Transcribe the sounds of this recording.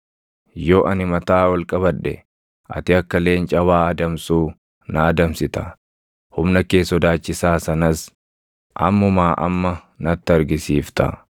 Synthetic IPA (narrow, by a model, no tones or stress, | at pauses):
joːʔɐnɪmɐt̪aːwɐlkʼɐβɐᶑːɛ̰ | ʔɐ̰t̪ɪɐkːɐle̞ːnt͡ʃʼɐwaːɐd̪ɐmsuː | nɐːd̪ɐmsɪt̪ɐ | hʊmnɐke̞ːsːɔd̪aːt͡ʃːɪsaːsɐnɐs | ʔɐ̰mːʊmaːʔɐ̰mːɐ | nɐt̪ːɪɐɾɡɪsiːft̪ɐ̰